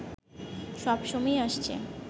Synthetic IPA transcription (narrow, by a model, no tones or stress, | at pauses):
ʃɔbʃomaeaʃt͡ɕʰḛ